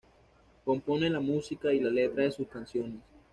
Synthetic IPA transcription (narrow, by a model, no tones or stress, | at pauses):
ko̞mpo̞ne̞lamusikailale̞t̪ɾaðe̞suskansjo̞ne̞s